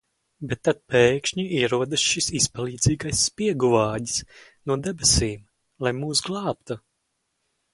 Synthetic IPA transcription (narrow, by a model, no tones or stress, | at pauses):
bɛt̪ːat̪̚pɛːkʃɲuiɛɾuɔd̪ɨsʃisispalˠiːd̪ziːɡajsːpʲiɛɡuvaːɟisnuɔd̪ɛbɛsiːm | lˠajmuːsɡlˠɑːpt̪u